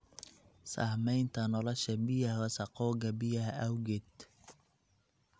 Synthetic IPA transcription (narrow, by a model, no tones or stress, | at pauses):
sa̰ːhmɛjnt̪ʰɐnɔlɔʃɐmɪjɐhwɐsɑqɔːɡɐbɪjɐhʔɐwɡɪd̪